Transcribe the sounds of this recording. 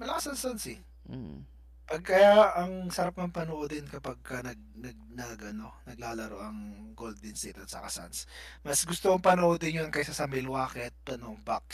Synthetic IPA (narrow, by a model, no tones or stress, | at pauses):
mɐlɐkɐsɐnsɐnsɪ | pɐɡ̚kɐjaʔɐŋsɐɾap̚nɐŋpɐnoʔod̪ɪnkɐpaɡ̚kɐnɐɡ̚nɐɡ̚nɐɡɐno̞nɐɡlaːlɐɾo̰ʔɐŋɡold̪ɪnsḭːt̪ɐsɐ̰kɐ̰sa̰nsmɐsɡʊst̪oɐŋpɐnoʔod̪ɪnjonkɐjsɐsɐmɪlwaːkɛt̪̚pɐnoŋpak̚